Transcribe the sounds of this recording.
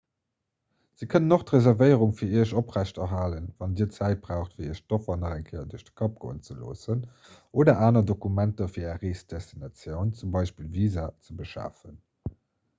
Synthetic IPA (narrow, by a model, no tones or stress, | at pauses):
z̥iːkʰənənoχtʁezɛʁvəɪəʁuŋfiːɐiːɐʃopʁæɕtɐɦaːlənvɑndiːət͡sæɪt̚b̥ʁaʊxtfiːiːɐʃtofɐnɑʁæŋkʰəɪɐduəʃdə̥kʰɑp̚ɡ̥o̰ːənt͡səlo̰ːsən | ʔoːdɐʔaːnɐdokumæntɐfiːɐɛʁeːsd̥ɛstinɑt͡sjəʊnt͡sumbɑɪʃpiːlviːzat͡səbəʃa̰ːfən